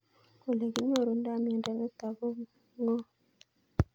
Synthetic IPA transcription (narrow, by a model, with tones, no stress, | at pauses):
ko˨le˨ɡi˨ɲo˦˨ɾo˨n˦da˦˨mi˨nda˨ŋə˦ta˨bo˦ | ŋɡɔ˦